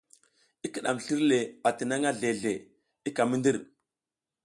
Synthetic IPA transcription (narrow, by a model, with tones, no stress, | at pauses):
i˦kə˨ɗa˨mɬi˦ɾle˨a˨ti˨na˦ŋa˦ɮe˨ɮe˨ | i˦ka˨mi˦ndi˦ɾ